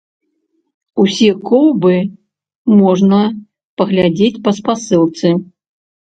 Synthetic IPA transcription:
usʲɛkɔwbɨ | mɔʐnɐ | pɐɣlʲad͡zʲet͡sʲpɐspasɨlˠt̪sɨ

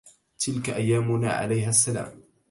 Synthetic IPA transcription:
t̪ɪlkaʔajːaːmʊna̰ːʕa̰lajɦasːala̰ːm

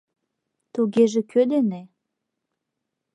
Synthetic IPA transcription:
t̪uɣeʒĕkʰød̪ene

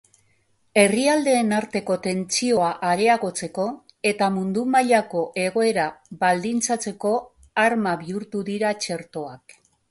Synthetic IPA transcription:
e̞riald̪e̞ːnaɾt̪e̞ko̞t̪e̞nt͡sio̞aʔaɾe̞aɣo̞t͡se̞ko̞ | e̞t̪amund̪umaʎako̞ʔe̞ɣ̞o̞e̞ɾaβald̪int͡sat͡se̞ko̞ | aɾmaβiuɾt̪uðiɾat͡ʃe̞ɾt̪o̞ak

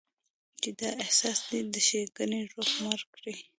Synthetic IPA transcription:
t͡ʃed̪ɑehsɑsd̪id̪əʃeɡəniɾoxmaɾkɽi

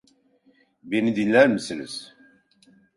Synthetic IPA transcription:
binid̪inːæɾməslə̰s

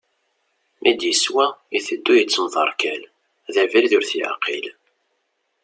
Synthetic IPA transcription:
mʔid̪jəswæiθəd̪ːujət͡sːəmðˤəɾˤkæl | ðævilðʊɾθjʕa̰qḭl

